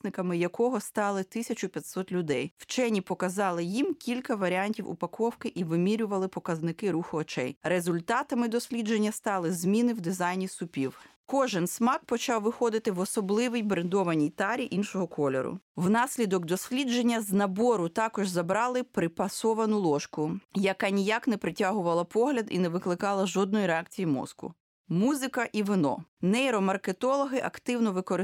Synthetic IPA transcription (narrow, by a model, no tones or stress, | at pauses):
nɪkɐmɪjɐkɔɦɔst̪ɑlˠɪt̪ɪsʲɐt͡ʃʊpʲjɐt̪ʲsɔt̪lʲʊd̪ɛjwt͡ʃɛnʲipɔkɐzɑlˠɪjimkʲilʲkɐʋɐɾʲiɑnʲtʲiwṵpɐkɔwkɪʔiʋɪmʲiɾʲʊʋɐlˠɪpɔkɐznɪkɪɾuxʊɔt͡ʃɛ̰jɾezʊlʲt̪ɑt̪ɐmɪd̪ɔsʲlʲid͡ʒe̞nʲːɐst̪ɑlˠɪzmʲinɪwd̪ɪzɑjnʲisʊpʲiw | kɔʒɪnsmɑk̚pɔt͡ʃɑwʋɪxɔd̪ɪt̪ɪʋɔsɔblˠɪʋɪjbɾend̪ɔʋɐnʲijt̪ɑɾʲiʔinʃɔɦɔkʰɔlʲɛ̰ɾʊ̰wnɑsʲlʲid̪ɔɡd̪ɔsʲlʲid͡ʒenʲːɐznɐbɔɾʊt̪ɑkɔʒzɐbɾɑlˠɪpɾɪpɐsɔʋɐnʊlˠɔʃkʊjɐkɑnʲijaknɛpɾɪtʲaɦʊʋɐlˠɐpɔɦlʲɐd̪ḭnɛʋɪklˠɪkɑlˠɐʒɔd̪̚nɔjiɾeɑkt͡sʲijimɔ̰skʊ̰ | muzɪkɐʔiʋɪnɔ̰nɛjɾɔmɐrket̪ɔlˠɔɦɪʔɐkt̪ɪwnɔʋɪkɔɾɪ